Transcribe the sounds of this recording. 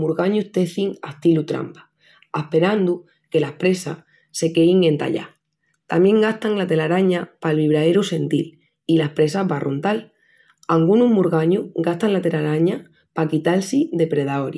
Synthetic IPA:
muɾɣaɲuht̪e̞θiŋast̪ilut̪ɾa̰mpḁ | ahpe̞ɾand̪u | ke̞lahpɾe̞sa | se̞ke̞iŋẽ̞nt̪a̰ʎa̰ | t̪amje̞ŋɡaht̪aŋlat̪e̞laɾaɲapalβiβ̞ɾae̞ɾuse̞nt̪il | ilahpɾe̞saβarʔunt̪al | aŋɡunuɦmuɾɣaɲuhɡat̪aŋlat̪e̞laɾaɲa | pakit̪alsiðe̞pɾe̞ðaoɾj

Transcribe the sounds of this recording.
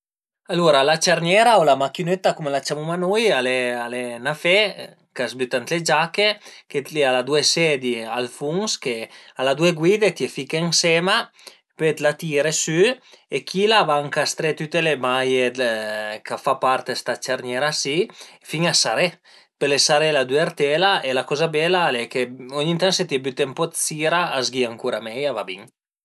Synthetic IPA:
aluɾalat͡ʃaɾnjɛɾaolamakinet̪ːakumelat͡ʃamumanujalealenafe | kasbyt̪ant̪led͡ʒakeket̪lialad̪uesed̪ia̰lfuŋskealad̪ueɡwid̪et̪iefikeŋsema | pet̪lat̪iɾesyekʰilavaaŋkast̪ɾet̪yt̪elemajed̪kafapaɾt̪est̪at͡ʃaɾnjɛɾasifiŋasaɾe | pelesaɾelad̪yeɾt̪ɛlaʔelakɔzabɛlalekeuɲint̪aŋset̪iebyt̪empɔt̪siɾaazɡiaŋkuɾamɛjavabiŋ

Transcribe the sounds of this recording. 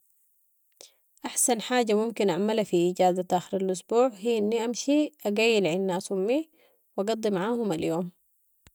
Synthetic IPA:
ʔaħsanħaːɟamumkinʔaʕmalafiʔiːɟaːzat̪ʔaːxiɾalʔʊsbuːʕɦiːʔinːiʔamʃiʔaɡajːilʕinːaasumːi | wɑɡɑd̪ˤːimaʕaːhumaljoːm

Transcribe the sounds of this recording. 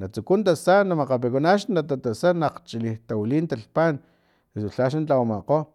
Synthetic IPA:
nat͡sukunt̪asanamaqap̬ekonaʃnat̪at̪asanaqt͡ʃiliht̪awiliːnt̪aɬpan | esuɬaʃ̬ant͡ɬawamaqo

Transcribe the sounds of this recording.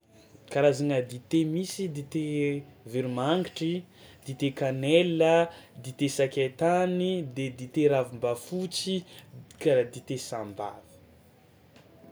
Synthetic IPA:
kaɾazaŋəd̪it̪emisid̪it̪eviɾumaŋɡiʈ͡ʂi | d̪̥it̪ekaneləd̪it̪esakʲet̪anid̪ed̪it̪eɾavimbafut͡sikad̪it̪esamba̰vi̥

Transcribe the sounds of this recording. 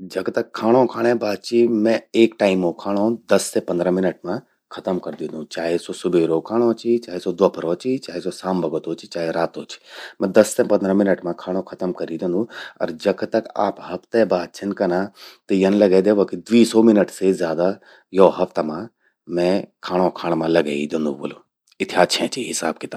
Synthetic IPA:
d͡ʒɐkt̪ɐkʰːaːɽ̃õkʰaːɽ̃ẽbaːd̪̚t͡ʃʰimɛ̃eːkʈaːɪmõkʰaːɽ̃õːd̪ɐsːepɐnd̪ɾə̃mɪnəʈmã | kʰɐt̪əmkɐɾd̪ĩnd̪ũt͡ʃaːɦesosʊbeːɾokʰaːɽ̃õːt͡ʃʰit͡ʃaːɦesod̪ʋɐpʰəɾoːt͡ʃʰit͡ʃaːɦesosaːmbɐɡət̪oːt͡ʃʰit͡ʃaːɦeɾaːt̪oːt͡ʃʰi̥mɛ̃d̪ɐsːẽpɐ̃nd̪ɾə̃mɪnəʈmãkʰaːɽ̃õkʰɐt̪əmkɐɾid̪ẽnd̪ũɐ̰ɾd͡ʒɐkʰt̪ɐka̰ːpɦɐpt̪ebaːd̪̚t͡ʃʰɐnkɐnat̪ɐjɐnlɐɡed̪eːʋokid̪ʋiːsɔmɪnəʈsezjaːd̪a | joɦɐft̪ɐmã | mɛ̃kʰaːɽ̃õkʰaːɽ̃mãlɐɡa̰ːid̪ẽnd̪ṵ̃ʋo̰ːlo | ɪt̪ʰiaːʃʰẽt͡ʃʰiɦɪsaːb̚kit̪a

